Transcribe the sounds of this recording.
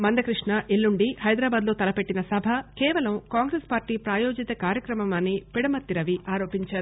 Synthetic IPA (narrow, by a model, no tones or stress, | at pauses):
mɐnd̪ɐkɾiʂɳɐʔilːuɳɖihɐjd̪ɾaːbaːd̪lo̞ːt̪ɐlɐpe̞ʈːinɐsɐbʱɐkɛːʋɐlɐmkaːŋɡɾespaːɾʈiːpɾaːjoːd͡ʒit̪ɐkaːɾjɐkɾɐmɐmɐnipiɽɐmɐt̪ːiɾɐʋiaːɾo̞ːpiɲt͡ʃaːɾuu